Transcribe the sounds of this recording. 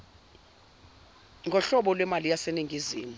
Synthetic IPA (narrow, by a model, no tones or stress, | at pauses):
ŋɡʱɔɬɔɓɔlwɛmalijaseniŋʱiziːmu